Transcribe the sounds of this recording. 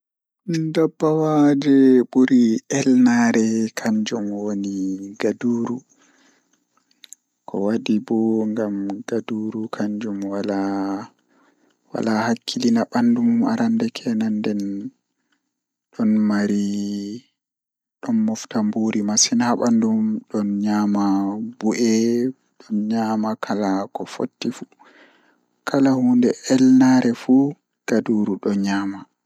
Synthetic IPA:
dabːawad͡ʒɛɓuɾiʔɛlnaɾɛkʰaɲd͡ʒɔmwoniɡaduːɾu | kʰɔ̰waɗibɔŋɡamɡaduɾukʰaɲd͡ʒɔmwala | wa̰lahakʰːilinaɓanduma̰ɾandɛkʰɛnandɛn | ɗɔnmaɾi | ɗɔnmɔftambuɾimasinhaɓandumɗɔnɲaːmabuʔɛ | ɗɔnɲaːmakʰalakɔfo̰tːifu | kalahuːndɛʔɛlnaɾɛfu | ɡ̥aduːɾuɗɔɲaːma

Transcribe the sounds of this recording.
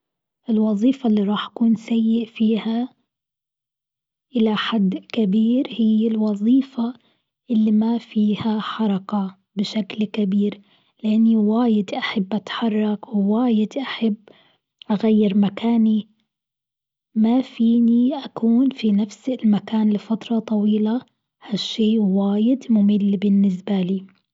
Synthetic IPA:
ʔɪlwɑðˤiːfalːiɾˤɑːħʔḁkuːnsajːɪʔfiːha | ʔɪlaħad̪ːkabiːɾhɪjːɪlwɑðˤiːfa | ʔɪlːimafiːhaħɑɾˤɑka | bɪʃaklkabiːɾ | lɪʔanːiwaːjɪd̪ʔaħabːʔat̪ħɑrˤːɑkwɪwaːjɪd̪ʔaħabː | ʔaɣajːɪɾmakaːni | mafiːniʔakuːnfinafsɪlmakaːnlɪfat̪ɾˤɑt̪ˤɑwiːla | haʃːeːwaːjɪd̪mʊmɪlːbɪnːɪs̬baliː

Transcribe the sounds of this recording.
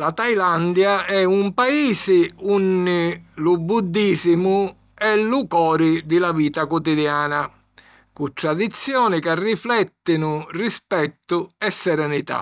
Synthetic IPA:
lat̪ajland̪jaɛumpaiːsɪunːɪlubud̪ːiːsimʊ | ɛlukɔːɾid̪ɪlaviːt̪akɔt̪id̪jaːna | kut̪ːɾad̪it̪sːjɔːnikarːiflɛt̪ːinʊrispɛt̪ːʊɛsːɛɾɛnit̪a̰

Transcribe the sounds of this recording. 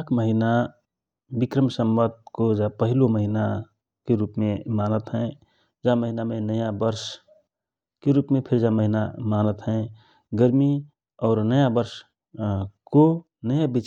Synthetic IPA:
kməɦina | bɪkɾəmsəmbəd̪̚kod͡ʒapəɦiloməɦina | keɾuːpmẽmaːnət̪ɦɛ̃ | d͡ʒaməɦinamẽnəjabəɾs | keɾuːpmẽpʰɪɾd͡ʒaməɦinamaːnət̪ɦɛ̃ | ɡəɾmi | ɔːɾnəjabəɾʃ | ko | nəjabit͡ʃ

